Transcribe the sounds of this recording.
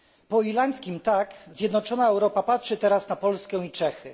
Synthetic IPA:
pɔilaɲʲt̪skʲimt̪akzʲjɛd̪nɔt͡ʂɔnaɛwɾɔpapatʂɘt̪ɛɾasnapɔlskɛw̃it͡ʂɛxɘ

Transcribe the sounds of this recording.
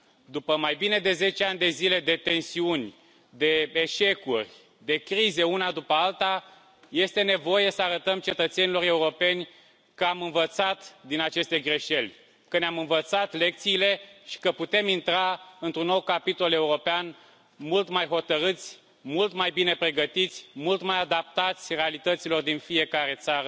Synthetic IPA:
d̪upəmajbine̞d̪e̞ze̞t͡ʃeanʲd̪e̞zile̞d̪e̞t̪e̞nsiunʲ | d̪e̞eʃe̞kurʲ | d̪e̞kɾize̞unad̪upəalt̪a | je̞st̪e̞ne̞vo̞jesəaɾət̪əmt͡ʃe̞t̪ət̪se̞nilo̞re̞uɾo̞pe̞nʲ | kəamɨnvət̪sat̪d̪inat͡ʃe̞st̪e̞ɡɾe̞ʃe̞lʲ | kəneamɨnvət̪sat̪le̞k̚t̪siːle̞ʃi̥kəput̪e̞mint̪ɾaɨnt̪ɾunːo̞wkapit̪o̞le̞uɾo̞pean | mult̪majɦo̞t̪əɾɨt̪sʲ | mult̪majbine̞pɾe̞ɡət̪it̪sʲmult̪majad̪ap̚t̪at̪sʲre̞alit̪ət̪silo̞rd̪infie̞kaɾe̞t̪saɾə

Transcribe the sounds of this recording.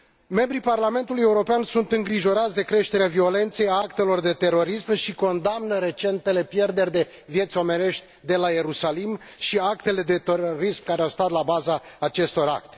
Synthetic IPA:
me̞mbɾiparlame̞nt̪uluje̞uɾo̞peansunt̪ɨŋɡɾiʒo̞ɾat̪sʲd̪e̞kɾe̞ʃt̪e̞ɾeavio̞le̞nt̪se̞jaak̚t̪e̞lo̞rd̪e̞t̪e̞ro̞ɾismʃiko̞nd̪amnəɾe̞t͡ʃe̞nt̪e̞le̞pje̞rd̪e̞rʲd̪e̞ | vje̞t̪sʲo̞me̞ne̞ʃt̪ʲd̪e̞laje̞ɾusalim | ʃiakt̪e̞le̞d̪e̞t̪eɾoɾismkaɾeawst̪at̪labazaːt͡ʃe̞st̪ora̰kt̪e̥

